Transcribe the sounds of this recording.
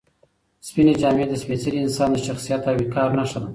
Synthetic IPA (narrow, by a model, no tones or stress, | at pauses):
spined͡ʒɑmed̪əspet͡saɾiɪnsɑnd̪əʃaxsijat̪awikɑɾnaʂən